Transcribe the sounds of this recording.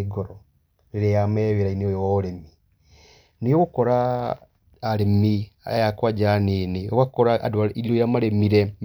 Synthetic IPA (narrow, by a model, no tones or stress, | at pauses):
ɡɔɾɔ | ɾeɾejamɛweɾaineojɔwaoɾemi | neɔokɔɾaː | ɾemia̰jakwad͡ʒaneniwakɔɾa̰dwaiɾiojamaɾemiɾɛ